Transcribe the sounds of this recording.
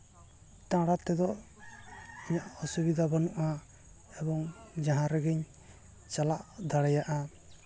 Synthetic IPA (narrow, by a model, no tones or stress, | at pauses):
t̪ãɽat̪ɛd̪ɔ | ɔɲaʔɔsubid̪ʱabɔnɔʔa | ɛbɔŋd͡ʒaɦãɾɛɡɛɲ | t͡ʃalaʔd̪aɽɛjaʔa